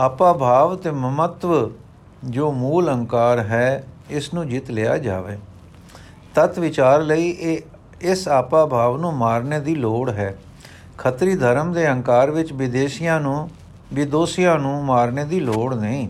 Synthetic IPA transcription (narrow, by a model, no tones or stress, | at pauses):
aːpaːbʱaːʋt̪eːməmət̪ʋ | d͡ʒoːmuːlə̃ŋkaːɾɦɛːɪsnũːd͡ʒɪt̪lɪːa̰ːd͡ʒa̰ːʋeː | t̪ət̪ʋɪt͡ʃaːɾləiːʔeː | ɪsaːpaːbʱaːʋnũːmaːɾneːd̪iːloːɽɦɛː | kʰət̪ɾiːd̪ʱəɾəmd̪eːə̃ŋkaːɾʋɪt͡ʃʋɪd̪eːʃɪjãːnũː | ʋɪd̪oːsijãːnũːmaːɾneːd̪iːloːɽnəĩː